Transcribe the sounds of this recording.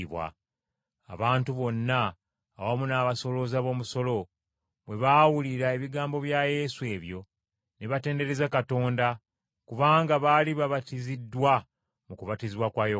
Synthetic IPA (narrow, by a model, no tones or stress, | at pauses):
βwa̰ | a̰βaːntuβo̞nːaː | wamunaːβaso̞lo̞zaβo̞ːmuso̞lo̞ | βwe̞βawuliɾae̞βiɡaːmbo̞βjaje̞ːsue̞ːβjo̞ | neβate̞ːnde̞ɾe̞zakato̞ːnda | kuβaːŋɡaβaːliβaβatizidːwa | mukuβatiziβwakwaːjo